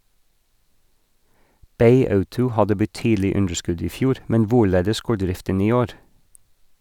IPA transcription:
ˈbeɪ ˈɑʉtʊ ˈhɑdə bəˈtyːdl̩ɪ ˈʉndɹ̩ˌskʉd ˈiː ˈfjuːɾ ˈmɛn ˈʋʊˌɭeːdəs ˈɡoːɹ ˈdɾɪftən ˈiː ˈoːɾ

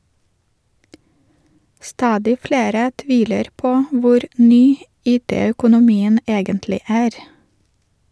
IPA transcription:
ˈstɑːdɪ ˈfleːɾə ˈtʋiːləɾ ˈpoː ˈʋʊɾ ˈnyː ˈiːˌteːœkʊnʊˌmiːən ˈeːɡəntlɪ ˈæːɾ

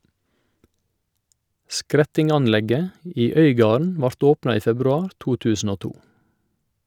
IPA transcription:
ˈskɾɛtɪŋɑnˌlɛɡə ˈiː ˈœʏˌɡɑːɳ̩ ˈʋɑɾt ˈoːpnɑ ˈiː fɛbɾʉˈɑːɾ ˈtuː ˈtʉːsn̩ ˈoː ˈtuː

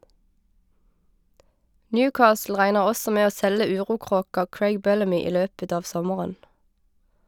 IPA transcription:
ˈnjʉːˌkɑːsl̩ ˈʁæɪnəʁ ˈɔsɔ ˈmeː ˈoː ˈsɛlə ˈʉːʁuːˌkʁoːkɑ ˈkɹæɪɡ ˈbɛləmʏ ˈiː ˈløːpət ˈɑː ˈʋsɔməʁən

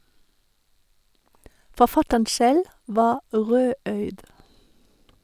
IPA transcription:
fɔˈfɑtən ˈsɛl ˈʋɑː ˈʁøːˌœʏd

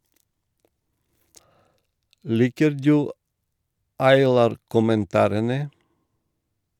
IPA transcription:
ˈliːkəɾ ˈdʉː ɑɪˈlɑːɾ kʊmənˈtɑːɾənə

